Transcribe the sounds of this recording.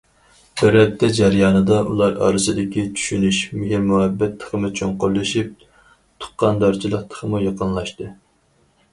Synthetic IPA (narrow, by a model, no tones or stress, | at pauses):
b̥ɪɾɛp̚t̪ʰːɛd͡ʒɛɾjɑːnɨd̪ɑʔṵlˠɑɾɑ̰ːɾɨsɨd̪ɪkʲit͡ʃʰy̥ʃynyʃmɪɦiɾmuhɛbːɛt̪ʰːə̥χəmɨt͡ʃʰoŋqʊlːɨʃip̚ | t̪ʰʊ̥χqːɑnd̪ɑɾt͡ʃʰilˠəq̚t̪ʰə̥χʰəmujɑqənlˠɑʃt̪ɨ